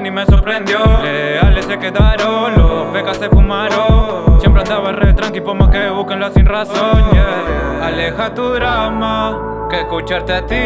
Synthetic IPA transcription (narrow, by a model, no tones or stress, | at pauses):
nĩmesoɾpɾend̪jolealesekeðaɾoloβekasefumaɾo | sjempɾand̪aβaeret̪ɾaŋkipomakeβukenlasinrasoɲaalexat̪uðɾama | keskut͡ʃaɾt̪eat̪i